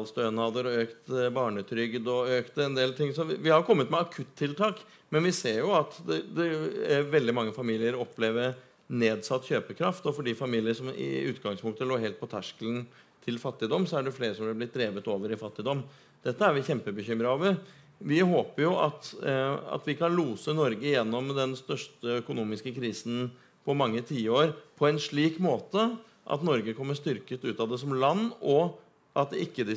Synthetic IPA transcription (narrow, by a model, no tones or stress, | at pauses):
lst̪œːnɑd̪əɾɔøːkt̪bɑːɳət̪ʰɾʏɡd̪ɔøːkt̪ɛnd̪eːlt̪ʰɪŋsɔʋɪhɑɾkʰɔmːət̪mɛɑkʰʉt̪ʰːɪlt̪ʰɑːk | mɛnʋɪseːɾjʊɑt̪d̪ɛd̪ɛʋɛld̪ɪmɑŋːəfɑmiːlɪəɾɔpːleːʋəɾ | neːd̪sɑt̪ːçøːpəkʰɾɑft̪ɔfɔɖiːfɑmiːlɪəʂɔmɪ̰ʉːt̪ɡɑŋspʰʊŋk̚t̪əloːɦɛlt̪̚pʰɔt̪ʰæʂkələn | t̪ʰɪlfɑt̪ːɪd̪ɔmːsɔæɖɛfleːɾəʂɔmʋɪlblɪt̪̚d̪ɾeːʋət̪oːʋəɾɪfɑt̪ːɪd̪ɔmː | d̪̥ɛt̪ːəæɾʋɪçɛmpəbəçʏmɾəoːʋəɾ | ʋɪɦoːpəɾjʊʔɑt̪ɑ̰t̪ʋɪkɑnluːsənɔɾɡəjɛnːɔmd̪ɛnst̪œʂʈtʈəœkʊnuːmɪskəkʰɾiːsn̩ | pʰɔmɑŋːət̪ʰiːəoːɾpʰɔɛnʂɭiːkmoːt̪ə | ʔɑ̰t̪nɔɾɡəkʰɔmːəʂst̪ʏɾkət̪ʉːt̪ɑʋd̪ɛsɔmlɑnːɔ | ʔɑt̪̚d̪ɪkːəd̪ɪ